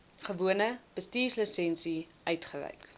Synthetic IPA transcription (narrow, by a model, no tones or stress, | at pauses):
χəvuənəb̥əstiːsləsɛnsi | ʔœɥtχəlɛ̰jk